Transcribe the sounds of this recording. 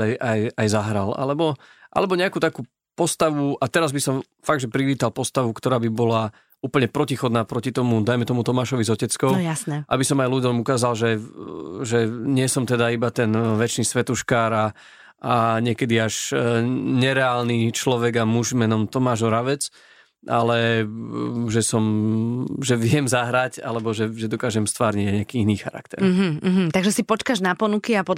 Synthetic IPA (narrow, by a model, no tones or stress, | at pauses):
ajajajzaɦɾala̰lɛbɔʔa̰lɛbɔɲɛakuːt̪akuː | pɔst̪aʋuat̪ɛɾazbisɔm | faɡ̚d̪ʒɛpɾiʋiːt̪alpɔst̪aʋukt̪ɔɾaːbibɔla | uːpl̩ɲɛpɾɔcixɔd̪naːpɾɔcit̪ɔmud̪ajmɛt̪ɔmut̪ɔmaːʃɔʋizɔcɛt͡skɔʊjasnɛʔa̰bisɔmajlud̪ɔmukaːzalʒɛ | ʒɛɲɪɛsɔmt̪ɛd̪aibat̪ɛnʋɛt͡ʃniːsʋɛt̪uʃkaːɾa | aɲɪɛkɛd̪iaʒ | ɲɛɾɛaːlnit͡ʃlɔʋɛɡamuʒmɛnɔmt̪ɔmaːʒɔɾaʋɛt͡s | ʔalɛ | ʒɛsɔm | ʒɛʋɪɛmzaɦɾaca̰lɛbɔʒɛʒɛd̪ɔkaːʒɛmst̪ʋaːɾɲiɟaɲɪakiːiniːxa̰ɾa̰k̚t̪ɛ̰ɾɦ̩ɦ̩t̪aɡʒɛsipɔt͡ʃkaʒnapɔnukiapɔ